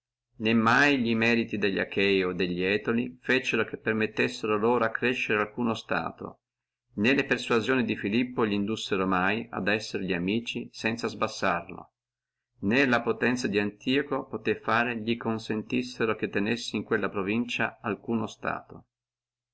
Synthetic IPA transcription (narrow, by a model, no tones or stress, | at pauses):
nemːajʎimɛːɾit̪id̪eʎːa̰kʰɛjod̪eʎːiɛːt̪olifet͡ʃeɾokepːermet̪ːesːeɾoloːɾoakːɾeʃːeɾealkuːnost̪a̰ːt̪o̰ | nelepersuazjoːnid̪ifilipːoʎind̪usːeɾomaja̰d̪ɛsːeɾʎiamiːt͡ʃisɛnt̪sazbasːarlo̰ | nelapot̪ɛnt̪sad̪iant̪iːokopot̪efaːɾeʎikonsent̪isːeɾok̟et̪ːenesːiiŋkwelːapɾovint͡ʃaalkuːnost̪a̰ːt̪o̰